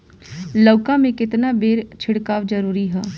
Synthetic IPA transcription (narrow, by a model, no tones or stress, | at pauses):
ləːkãmẽkɪt̪nabeːɾt͡ʃʰɪɽkaːʋd͡ʒəɾuːɾiɦɛː